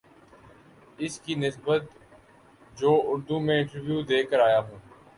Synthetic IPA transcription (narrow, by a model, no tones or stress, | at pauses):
ɪskinɪsbət̪ | d͡ʒoːʊɾd̪umẽɪ̃ɳʈəɾʋjuːd̪eːkəɾaːjaːɦũː